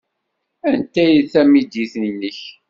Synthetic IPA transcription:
ænt̪æjiθæmid̪jiθnnːəç

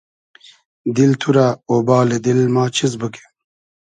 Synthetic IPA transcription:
d̪ilt̪ʰuɾaobaːled̪ilmaːt͡ɕʰizbəke̥

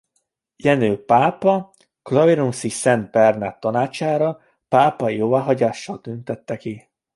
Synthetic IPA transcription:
jɛnøːpaːpɒ | klɒviɾuŋsisɛnd̪̚bɛrnat̪ːɒnaːt͡ʃaːɾɒ | paːpɒijoːvaːɦɒɟaːʃːɒlt̪ynt̪ɛt̪ːɛki

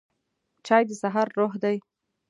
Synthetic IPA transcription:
t͡ʃɑjd̪əsaɦɑɾːoɦd̪aj

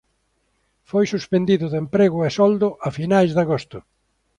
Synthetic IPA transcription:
fojsuspend̪iðʊðempɾeɣʊɛsɔld̪ʊʔafinajzðaɣost̪ʊ

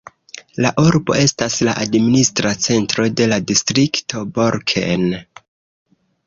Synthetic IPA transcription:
laʔuɾbo̞̰e̞stasla̰ʔadministɾat͡se̞ntɾo̞de̞ladistɾikto̞boɾkʰe̞̰n

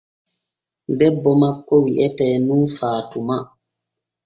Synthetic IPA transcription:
dɛbːɔmakːɔwiʔɛtɛːnunfaːtuma

